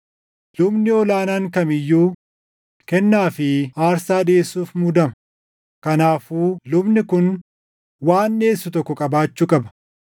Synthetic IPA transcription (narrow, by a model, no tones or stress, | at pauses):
lʊbnɪɔlaːnaːŋkɐmɪjːuː | kɛnːaːfɪaːɾsaːᶑeːsːuːfmʊd̪ɐmɐ | kɐnaːfuːlʊbnɪkʊn | waːnːe̞ːsːʊt̪ɔkːɔkʼɐbaːt͡ʃːʊkʼɐbɐ̥